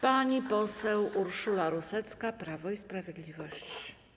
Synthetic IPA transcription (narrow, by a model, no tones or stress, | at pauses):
paɲipɔsɛwuɾʂulaɾusɛt̪skapɾavɔispɾavʲjɛd̪lʲivɔɕt͡ɕ